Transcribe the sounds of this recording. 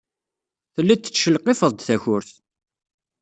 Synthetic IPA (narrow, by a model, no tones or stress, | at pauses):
θəlːæt̪ːə̥t͡sːʃəlqːɪfəðˤd̪θæçʊɾθ